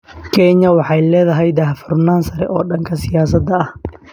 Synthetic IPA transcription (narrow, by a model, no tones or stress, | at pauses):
kʰɛɲɐwɑħɑjlɛːðɐɦɛjd̪ɐɦfʊrnaːnsɐɾɛ̰ʔɔːɖɐŋkʰɐsɪjaːsɐd̪ːɐːh